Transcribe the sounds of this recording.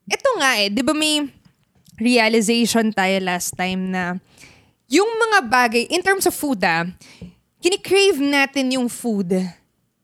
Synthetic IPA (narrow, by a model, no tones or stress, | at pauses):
ʔɛt̪oŋaʔɛd̪ɪbamɐj | ɹiɐlɪzejʃont̪aːjolast̪ːajmnɐ | jʊŋmɐŋabaːɡɐjʔɪnt̪ɛɹmsɐvːud̪ɐ | kɪnɪkɹejvnaːt̪ɪnjʊŋfud̪